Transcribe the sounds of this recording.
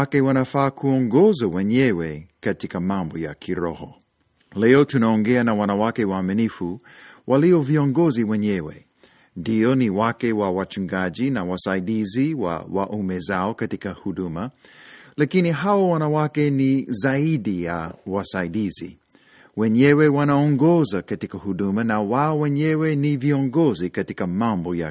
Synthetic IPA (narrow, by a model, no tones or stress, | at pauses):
akɛwanafaːkʰuɔŋɡɔzawɛɲɛwɛkatikamambɔja̰kʰiɾɔ̰hɔ | lɛɔtunaɔŋɡɛanawanawakɛwaːminifu | wʔaliɔviɔŋɡɔziwɛɲɛwɛ̰ | ndiɔniwakɛwawat͡ʃuŋɡaʄinawasaiɗiziwa̰wa̰ʔumɛzaokatikɐhudumalakiniɦawawanawakenizaidijawasaidizḭ | wɛɲɛwewanaɔŋɡɔzakatikɐhudumanawaowɛɲɛweniviɔŋɡɔzikatikɐmamboja